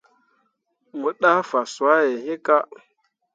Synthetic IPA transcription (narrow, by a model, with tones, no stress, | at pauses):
mu˨ɗa˦fa˨swa˦je˨ɦe˦ka˦